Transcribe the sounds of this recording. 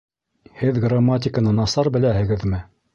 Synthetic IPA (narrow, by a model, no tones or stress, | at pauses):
hɘðɡramːat̬ʲɪkənɤnɑsɑɾbɘ̆læhɘ̆ɡɘðmɘ